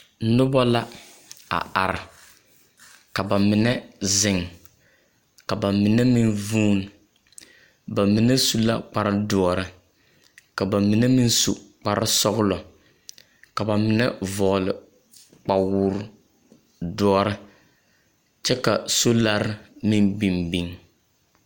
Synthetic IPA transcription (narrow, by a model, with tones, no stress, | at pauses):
nʊ˦ba˦la˦ | a̰˨a̰˨ɾɪ˨ | ka˨ba˨mɪ˨nɛ˦zɪ˨ŋ | ka˨ba˨mɪ˨nɛ˦mi˦nvuː˦n˨ | ba˨mɪ˨nɛ˦su˦la˦k͡pa˨ɾɪ˦dɔ˦ɔ˨ɾɨ˦ | ka˨ba˨mi˨nɛ˦mɪ˦n˦sṵ˨k͡pa˨ɾɪ˦sɔ˦ɣʊ˦lɔ˨ | ka˨ba˨mɪ˨nɛ˦vɔ˨lɪ˨ | k͡pa˨wʊː˦ɾ | dɔ˦ɔ˦ɾɨ˦ | t͡ʃɛ˦ka˨so˦la˦ɾɪ˦mɪ˦nbi˨mbi˨ŋ